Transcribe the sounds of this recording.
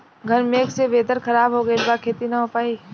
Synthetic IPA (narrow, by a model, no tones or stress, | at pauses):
ɡʱɐɾmeːksebeːd̪əɾkʰɐɾaːbɦoɡəelbaːkʰeːt̪inaɦopaːi